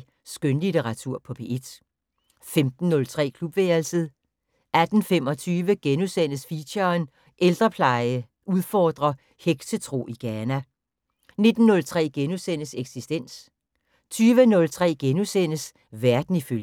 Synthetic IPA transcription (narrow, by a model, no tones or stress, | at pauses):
sɡ̥ønlit͡seʁɑ̈t͡sʰuɐ̰pʰɒ̽b̥e̝ʔed̥ | femd̥n̩ːɔ̽lt͡sʰʁɛ̰ːkʰlub̥ʋeːɐlsəð̩ˠ | ʔæd̥n̩fem̰ɒ̽t͡sʰyːʋəɡ̥enusen̰əsfiɕɐːn | ʔeld̥ʁɐpʰlɑ̈ɪə | ʔuð̞ˠfɒːd̥ʁɐ | heɡ̥sət͡sʰʁo̝̰iɡ̥æːnæ | ne̝d̥n̩ːɔ̽lt͡sʰʁɛ̰ːɡ̥enusenəseɡ̥sisd̥en̰s | t͡sʰyːʋənɔ̽lt͡sʰʁɛ̰ːɡ̥enusen̰əs | ʋæɐd̥n̩iføl